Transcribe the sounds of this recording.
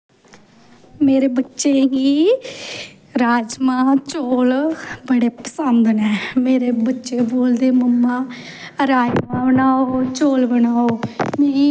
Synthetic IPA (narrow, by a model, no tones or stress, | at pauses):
meːɾeːbətːʃeːɦiː | ɾaːd͡ʒmãːt͡ʃoːlbəɽeːpə̥sənd̪nɛːmeːɾeːbətːʃeːboːld̪eːməmːãː | əɾaːimãːbənaːoːt͡ʃoːlbənaːoːmiiː